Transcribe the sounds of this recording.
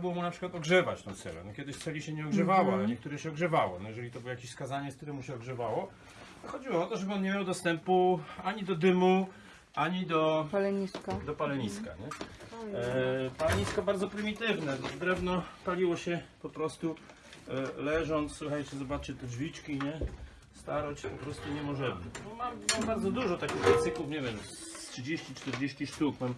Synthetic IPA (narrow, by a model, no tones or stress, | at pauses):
bɘwɔmunapʂɘ̥kwat̪ɔɡʐɛvat͡ɕt̪ɔ̃w̃t̪sɛ̰lɛ̰nɔkʲjɛd̪ɘɕsɛlʲiɕɛɲɛɔɡʐɛvawaalɛɲɛk̚t̪uɾɛɕɛɔɡʐɛvawɔnɔjɛʐɛlʲit̪ɔbɘwɔjakʲeɕskazaɲɛsk̚t̪uɾɛmuɕɛɔɡʐɛvawɔ | t̪ɔxɔd͡ʑiwɔɔt̪ɔʐɛbɘɔnɲemʲjawd̪ɔst̪ɛmpuaɲid̪ɔd̪ɘmu | aɲid̪ɔpalɛɲiskad̪ɔpalɛɲiska̰ɲɛ | palɛɲiskɔbaɾd̪zɔpɾɘmʲit̪ɘvnɛd̪ɾɛvnɔpalʲiwɔɕɛpɔpɾɔst̪u | lɛʐɔnt̪sswuxajt͡ɕɛzɔbat͡ʂɘt̪ɛd͡ʒvʲit͡ʂkʲiɲɛ | st̪aɾɔt͡ɕpɔpɾɔst̪uɲɛmɔʐɛmɘbɔmammambaɾd̪zɔd̪uʐɔt̪akʲixanzɘkufɲevʲjɛmstʂɘd͡ʑeɕt͡ɕit͡ʂt̪ɛɾd͡ʑeɕt͡ɕiʂt̪ukmam